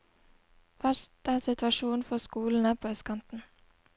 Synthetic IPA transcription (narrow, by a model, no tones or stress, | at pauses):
ʋɑsd̥æːsɪt̪ʋɑʃuːnfɔskuːln̩æːpʰoːɛskʰɑnt̪n̩